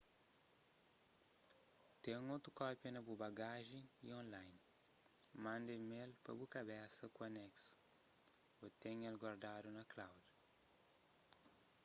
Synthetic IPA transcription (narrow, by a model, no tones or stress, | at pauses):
t̪ẽŋot̪ɾukɔpjɐnɐbubaɡaʒẽiõnlajn | mãnd̪emelpɐ̰bukɐbɛsɐkuɐnɛksu̥ | ot̪ẽŋelɡwaɾd̪ad̪unɐklawd